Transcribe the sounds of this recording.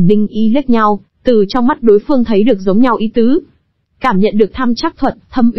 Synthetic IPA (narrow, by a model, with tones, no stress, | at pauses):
ɗï˧ŋ̟ʔi˨˧˦li˦˥t̚ɲa˧w | t̪ɨ˨˩t͡ɕɔ˧wŋ͡mma˦˥t̚ɗo˨˦jfɨ˧əŋt̪ʰə˨˦jɗɨ˨˩ək̚zə˨˦wŋ͡mɲa˧wʔi˨˦t̪ɨ˨˦ | kaː˧˩mɲə̰˧˨nɗɨ˨˩ək̚t̪ʰaː˧mt͡ɕaː˦˥k̚t̪ʰwə˨˩t̚t̪ʰə˧mʔ